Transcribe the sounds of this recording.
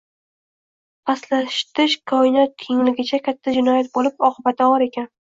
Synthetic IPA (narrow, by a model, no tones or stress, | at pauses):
pʰaslaʃt̪ʰɪʃkʰɒɪnɒt̪̚kʲʰe̞ŋlɪɡʲɪt͡ʃʰakʲʰat̪ʰːad͡ʒɪnɒjat̪̚bolɪpɒqʰɨbat̪ʰaɒɾe̞kʲʰan